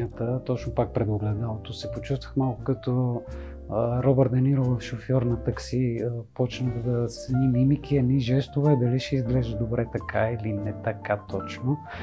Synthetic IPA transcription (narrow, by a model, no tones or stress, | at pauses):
ət̪ət̪ɔt͡ʃnopak̚pɾɛd̪oɡlɛd̪alˠot̪osɛpot͡ʃust̪vəxmalˠkʊkɐt̪ɔ | ɾɔbɛɾt̪ɐniɾovəfʃofjɔɾnɐt̪ɐksipɔt͡ʃnəxd̪ɐsnimimikiɐniʒɛst̪ovɛd̪ɐliʃɛizɡlɛʒəd̪obɾɛt̪ɐkailinɛt̪ɐkat̪ɔt͡ʃno